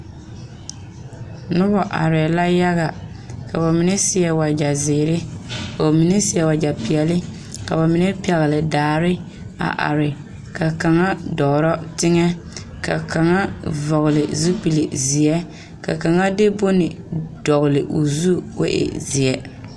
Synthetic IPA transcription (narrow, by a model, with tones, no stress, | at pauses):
nʊ˦bɔ˨ʔa̰˨ɾɪ˨ɛ˨la˦ja˦ɣa˨ | ka˨ba˨mi˨nɛ˦sɪ˦ɛ˦wa˨d͡ʒa˨zɪː˨ɾɪ˦ba˨mi˨ne˦sɪ˦ɛ˦˨wa˨d͡ʒa˨pɪ˨ɛ˨lɪ˦ | ka˨ba˨mi˨ne˦pi˦ɛ˨ɣɪ˨lɪ˨daː˨ɾɪ˦ | a̰˨ʔa̰˨ɾɪ˨ | ka˨ka˨ŋa˦dɔː˨ɾɔ˦tɪ˦ŋɛ˦ | ka̰˨ka˨ŋa˦vɔ˨ɣɪ˨lɪ˨zu˦pi˨li˨zɪ˨ɛ˦ | ka̰˨ka˨ŋa˦dɪ˦bʊ˦nɪ˨ | dɔ˨ɣlɪ˨ʔʊ˨zu˦ʊ̰˦ʔɪ̰˨zɪ˨ɛ˦